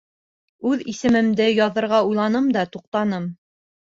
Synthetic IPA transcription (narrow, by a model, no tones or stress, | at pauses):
ʉðisɘ̆mɘ̆md̪ɘjɑðɤ̆ɾʁɑujlˠɑnɤmd̪ɑt̪uq̚t̪ɑnɤm